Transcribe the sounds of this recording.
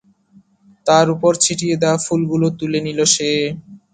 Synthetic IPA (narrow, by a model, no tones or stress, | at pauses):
t̪aɾupoɾt͡ɕʰiʈijed̪ɛafulɡulot̪uleniloʃe